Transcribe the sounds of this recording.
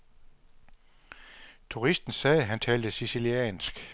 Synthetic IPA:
t͡sʰuʁisd̥n̩sɛːɦænt͡sʰɛːld̥əsisiliɛ̰ːnsɡ̥

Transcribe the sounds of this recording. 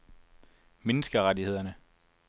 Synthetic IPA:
menəsɡ̥əʁadihe̝ð̞̰ˠɐnə

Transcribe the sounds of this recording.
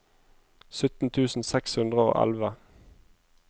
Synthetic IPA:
sʏt̪n̩t̪ʰʉːsn̩sɛkshʉnd̪ʁəo̰ːʔæ̰lʋə

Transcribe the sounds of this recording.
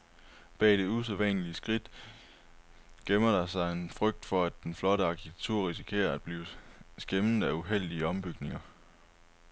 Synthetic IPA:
b̥ɛ̰ːd̥e̝us̬eʋɛnəliəsɡ̥ʁid̥ | ɡ̥emɐɾ̥ɑ̈sɑ̈ɪe̝nfʁœɡ̥̚d̥fɒ̽æd̥ːenflɒ̽ɾəɑ̈kʰit͡sʰe̥t͡sʰuɐ̰ʁis̬ikʰe̝̰ːɐæd̥̚b̥liːʊsɡ̥emn̩ˠæuɦel̰d̥iəɒ̽mb̥yɡ̥ne̝ŋɐ

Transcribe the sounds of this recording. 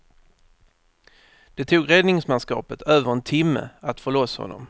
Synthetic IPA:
d̪̥ɛt̪ʰuːɡɾɛd̪nɪŋsmanskɑ̰ːpət̪ʰøːvəɾɛnt̪ʰɪmːə̰at̪fɔɭɔshɔ̰nːɔ̰m

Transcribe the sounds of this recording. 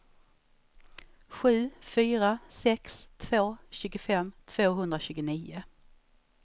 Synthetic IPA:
ɧʉ̟ːfyːɾasɛkst̪ʰvoːɕʉ̟ːɡʊfɛmːt̪ʰv̥oːɦɵnd̪ɾaɕʉːɡʊniːʊ

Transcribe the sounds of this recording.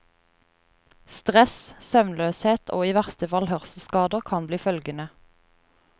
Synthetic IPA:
st̪ʁɛssœʋnløːsheːt̪ʰo̰ːiːʋæʁst̪əfɑlhœʁsəskɑːd̪əʁkʰɑnbliːfœlɡənə

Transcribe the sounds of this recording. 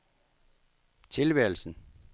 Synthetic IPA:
t͡sʰe̝lʋɛːl̩sn̩

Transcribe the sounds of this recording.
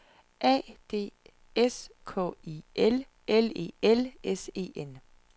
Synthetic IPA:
ʔɛ̰ːd̥e̝̰ː | eskʰɔ̰ːiːel | ʔele̝̰ːelese̝̰ːʔen

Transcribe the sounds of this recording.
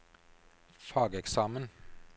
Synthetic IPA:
fɑːɡəɛksɑːmən

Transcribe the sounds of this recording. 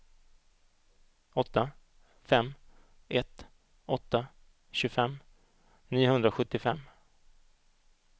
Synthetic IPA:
ɔt̪ːa | fɛmː | ʔɛt̪ | ɔt̪ːa | ɕɵɡfɛmː | niːʊhɵnd̪ɾaɧɵt̪ːɪfɛmː

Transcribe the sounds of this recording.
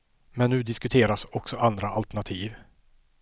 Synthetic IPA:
mɛnːʉ̟ːd̪ɪskɵt̪ʰeːɾasɔksɔand̪ɾaʔalt̪æɳat̪ʰiːv

